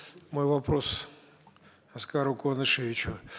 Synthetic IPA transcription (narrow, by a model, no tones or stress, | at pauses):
mojvɐpɾos | ɐskaɾʊkonɨʂevʲɪt͡ɕʊ